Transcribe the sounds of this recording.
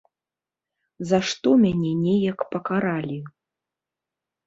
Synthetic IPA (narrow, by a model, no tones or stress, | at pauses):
zaʂt̪ɔmʲanʲɛnʲɛjɐkpɐkaɾalʲi